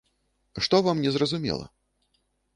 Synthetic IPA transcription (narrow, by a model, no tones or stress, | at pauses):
ʂt̪ɔvamnʲɛzrɐzumʲɛ̰lˠɐ̰